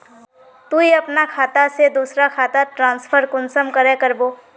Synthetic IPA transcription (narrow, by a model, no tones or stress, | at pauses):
t̪uiɐpnakʰaːt̪ased̪uːsɾakʰaːt̪aʈɾãːnspʰəɾkʊnsəmkəɾekəɾboː